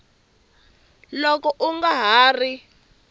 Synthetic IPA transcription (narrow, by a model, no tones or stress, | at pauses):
lɔkɔʔuŋɡaɦaːri